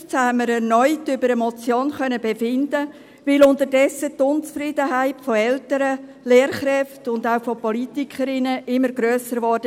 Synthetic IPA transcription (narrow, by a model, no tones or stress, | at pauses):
t͡shamːəɾɛɾnɔʏtʏbəɾəmɔt͡sjoːnχœnəbefɪndə | ʋɪlʊntəɾdɛsətʊnt͡sfɾiːdəɦaɪtfɔɛltəɾə | leːɾχɾɛftʊndaʊfɔpɔlitikʰχəɾɪnəʔɪmːəɾɡɾøːsəɾʋɔd̥ə